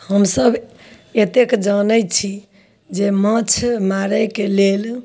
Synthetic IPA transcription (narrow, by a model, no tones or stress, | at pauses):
həmsəb | et̪ekd͡ʒənət͡ʃʰi | d͡ʒemət͡ʃʰmaɾəkelel